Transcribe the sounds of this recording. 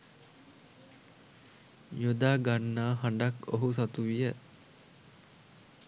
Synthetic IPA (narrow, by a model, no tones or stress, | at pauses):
jod̪aːɡanːaːɦaɳɖako̰ɦus̬at̪uʋijə